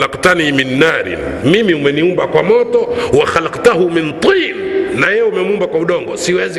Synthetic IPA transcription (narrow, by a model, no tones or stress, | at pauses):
laqtaniminːaɾḭmimiumɛniumbakwamɔtɔwaxalaqtahumint̪ˤiːnnajɛjɛumɛmuumbakwauɗɔŋɡɔsiwɛzi